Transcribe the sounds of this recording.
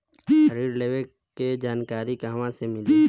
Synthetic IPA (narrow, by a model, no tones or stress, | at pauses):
əɾiːɾleːʋek | kːed͡ʒaːnkaːɾikaːʋãsemɪli